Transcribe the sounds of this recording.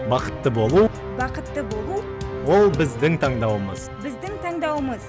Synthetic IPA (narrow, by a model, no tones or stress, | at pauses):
bɑqə̥t̪ːəbo̞lˠu | bɑqət̪ːəbo̞lˠu | wo̞lˠbɪzd̪ɪŋt̪ʰɑɴd̪ɑwəmə̰z̥bɪzd̪ɪŋt̪ʰɑɴd̪ɑwəməz